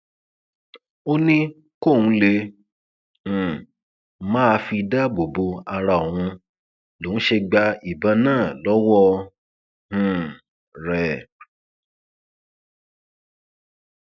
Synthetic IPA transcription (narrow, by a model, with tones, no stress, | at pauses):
o˦nĩ˦ | ko˦˨ũ˧˦le˧˨ | mã˦a˧fi˧da˦bo˨bo˧a˧ɾa˧˨o˨w̃ũ˧ | lõ˨˦ʃe˧ɡ͡ba˧i˨bã˧˦nãː˦˨lɔ˨˦wɔ˦ | h̩˨ | ɾɛ˨